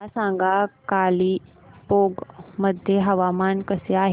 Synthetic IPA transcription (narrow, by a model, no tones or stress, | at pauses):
asãŋɡakaliː | poɡməd̪ʱjeɦəʋamankəseaɦe